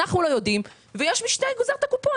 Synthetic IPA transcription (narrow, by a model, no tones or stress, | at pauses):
aχnulo̞jo̞dim | vejeʃmiʃnejɡozaʁt̪akupo